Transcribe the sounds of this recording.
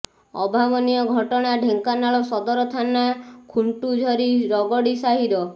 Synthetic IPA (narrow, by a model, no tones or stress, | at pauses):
ɔ̰bʱabɔnijɔɡʱɔʈɔɽ̃aɖʱeŋkanaɭɔsɔd̪ɔɾɔt̪ʰanakʰuɳʈud͡ʒʱɔɾiɾɔɡɔɽisaɦiɾɔ